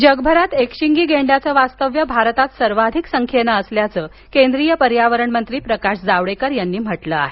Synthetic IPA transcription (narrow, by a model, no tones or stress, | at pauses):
d͡ʑəɡbʱəɾat̪ekɕiŋɡiːɡeɳɖjat͡səːʋast̪əʋjəbʱaɾt̪at̪səɾʋad̪ʱiksəŋkʰjenaəsljat͡səː | kend̪ɾijəpəɾjaʋəɾəɳmənt̪ɾiːpɾəkaɕd͡zaʋɭekəɾjanːiːm̤əʈləa̰ɦe